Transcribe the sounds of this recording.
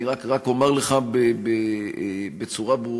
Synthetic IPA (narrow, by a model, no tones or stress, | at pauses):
iʁakʁako̞meʁleχabebe | bet͡suʁabʁu